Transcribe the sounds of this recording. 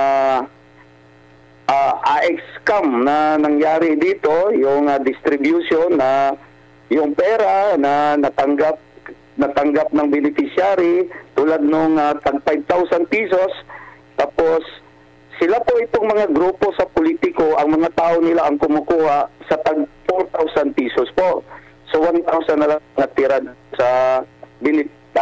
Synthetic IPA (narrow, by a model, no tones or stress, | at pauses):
a | ʔaʔaʔɛkskamnɐnɐŋjaːɾɪd̪iːt̪o̞jʊŋad̪ɪst̪ɾɪbjʊʃonːɐ | jʊŋpɛːɾanɐnɐt̪ɐŋɡap̚ | nɐt̪ɐŋɡap̚nɐŋbɪnɪfɪsjaːɾit̪uːlad̪̚noŋat̪aɡ̚pajb̚t̪awsɐnpiːsos | t̪aːposː | ɪlapoʔɪt̪oŋmɐŋaɡɾuːpo̞sɐpʊliːt̪ɪkoʔɐŋmɐŋat̪aːʔonɪlaʔɐŋkʊmʊkuːhaʔsɐt̪aɡ̚foɾt̪awsanpiːsospoʔ | sowant̪awsɐnːɐlaŋat̪ɪɾad̪sɐbɪnɪ